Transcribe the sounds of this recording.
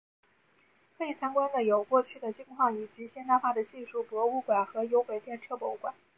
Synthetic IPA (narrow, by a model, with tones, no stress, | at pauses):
kʰɤ˧˥i˨˩t͡sʰa˥nkwa˥nd̪ə˨jo˨˩ʊkwɔ˥˧t͡ɕʰy˥˩d̪ə˩t͡ɕi˥ŋkʰwɑ˥˩ŋi˨˩t͡ɕy˧˥ɕjɛ˥na˥˧xa˥˩d̪ə˩t͡ɕi˥˧ʂu˥˩pwɔ˧˥u˥˩kwa˨˩nxɤ˧˥jo˧˥ʊke˨˩t̪jɛ˥˧nʈ͡ʂʰɤ˥˩pwɔ˧˥u˥˩kwa˨˩˦